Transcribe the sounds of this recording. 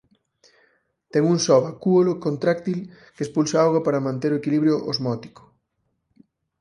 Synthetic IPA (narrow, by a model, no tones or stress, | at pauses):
t̪ɛŋuŋsɔβakuolokont̪ɾakt̪il | kespulsaawɣɐpaɾɐmãnt̪eɾoekiliβɾjoʔozmɔt̪i̥kʊ̥